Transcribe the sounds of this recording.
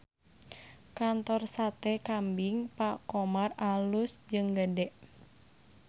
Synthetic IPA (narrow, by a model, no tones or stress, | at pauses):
kant̪ɔrsat̪ɛkambiŋpakomaralusd͡ʒɨŋɡədɛʔ